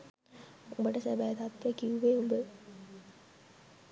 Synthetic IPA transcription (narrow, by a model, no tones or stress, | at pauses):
umbəʈəsæbæt̪at̪ʋəkiuʋeumbə